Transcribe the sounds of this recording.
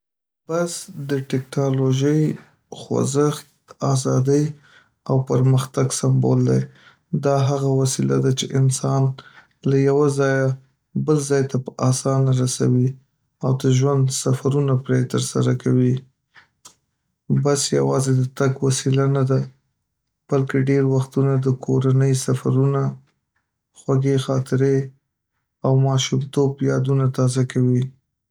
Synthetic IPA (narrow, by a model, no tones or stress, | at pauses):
basd̪əʈɛknɑloʒəj | xwa̰zəxt̪ɑzɑd̪əj | awpəɾməxt̪aɡsambo̰ld̪aj | d̪ɑɦaɣawasilad̪at͡ʃeʔɪnsɑn | lajawazɑja | bəlzɑjt̪apəʔɑsɑnaɾasa̰wi | awd̪əʒwand̪safaɾunapɾet̪əɾsa̰ɾakʰawi | basja̰wɑzed̪ət̪aɡwasilanad̪a | b̥alkeɖeɾwaxt̪unad̪əkʰoɾanəjsafaɾuna | xwaɡexɑt̪ɪɾe | awmɑʃumt̪objɑd̪unat̪ɑzakawi